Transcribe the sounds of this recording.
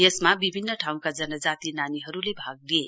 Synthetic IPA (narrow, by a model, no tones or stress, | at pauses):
jesmabibʱinːʌʈʰaw̃kad͡zʌnʌd͡zat̪inaniɦʌɾulebʱaɡ̚lie